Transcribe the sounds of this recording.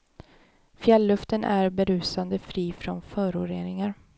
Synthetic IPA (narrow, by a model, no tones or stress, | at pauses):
fjɛlːɵft̪ənʔæɾbɛɾʉ̟ːsand̪əfɾiːfɾɔnfœːɾʊɾeːnɪŋaɾ